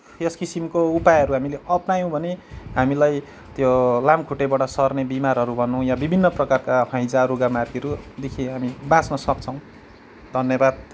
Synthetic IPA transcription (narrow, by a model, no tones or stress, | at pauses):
jʌskisimkoupajɦʌɾuɦamileʌpnajõbʱʌneɦamilaj | t̪jolamkʰuʈebaʈʌsʌrnebimarɦʌɾubʱʌnːũjãbibʱinːʌprʌkarkahʰʌ̃j̃d͡zaɾoɡamarɡiʌɾud̪ekʰĩɦamibãt͡snʌsʌk̚t͡sʰʌ̃w̃ | d̪ʱʌnjʌbad̪̚